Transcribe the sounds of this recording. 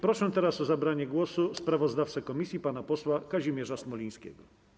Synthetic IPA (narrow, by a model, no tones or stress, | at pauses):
pɾɔʂɛt̪ɛɾasɔzabɾaɲɛɡwɔsuspɾavɔzd̪aft̪sɛkɔmʲisʲjipanapɔswakaʑimʲjɛʐasmɔlʲij̃skʲɛ̰ɡɔ